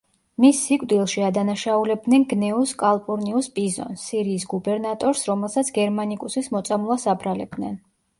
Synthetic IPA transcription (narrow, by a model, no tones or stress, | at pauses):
misːikʼd̪ilˠʃiad̪anaʃaulɛb̚d̪nɛnɡnɛuskʼalˠpʼuɾniuspʼizɔ̰nsːiɾiːsɡubɛɾnat̪ʼɔɾsɾɔmɛlˠsat̪sʰɡɛɾmanikʼusismɔt̪sʼamlˠasabɾalɛb̚d̪nɛn